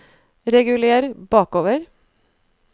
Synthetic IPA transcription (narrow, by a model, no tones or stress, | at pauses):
ɾɛɡʉleːɾbɑːkoːʋəɾ